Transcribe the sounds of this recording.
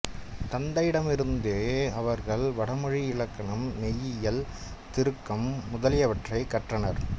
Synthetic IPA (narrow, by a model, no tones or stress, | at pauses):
t̪ɐnd̪ɐjɪɽɐmɪɾɯnd̪eːɐʋɐɾɣɐɭʋɐɽɐmɯɻiɪɭɐkːɐɳɐmːɛjːɪjɐl | t̪ɪɾɯkːɐmːʊðɐlɪjɐʋɐʈrɐɪkːɐʈrɐnɐɾ